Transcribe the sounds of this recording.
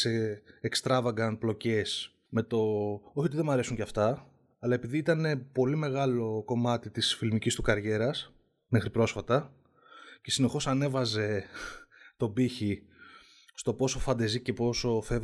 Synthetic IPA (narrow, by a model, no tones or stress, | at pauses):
seːkst̪ɾɐvɐɡɐnplo̞ce̞s | me̞t̪o̞o̞çio̞t̪iðe̞mɐɾe̞suɲcɐft̪ɐ | ɐlɐe̞piðiit̪ɐne̞po̞lime̞ɣɐlo̞ko̞mɐt̪it̪isfilmicist̪ukɐɾʝe̞ɾɐs | me̞xɾipɾo̞sfɐt̪ɐ | ce̞sine̞xo̞sɐne̞vɐze̞ | t̪o̞biçi | st̪o̞po̞so̞fɐnd̪ɐzice̞po̞so̞fe